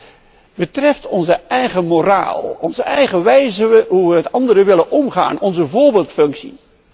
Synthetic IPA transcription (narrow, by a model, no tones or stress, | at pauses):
bətrɛftɔnzəɛjχəmora̰ːlˠɔnzəɛjχəʋɛjzəʋəɦuʋəɦətɑndəɾəʋɪlənʔɔmχa̰ːnɔnzəvʊːɹbeːlˠtfɵŋksḭ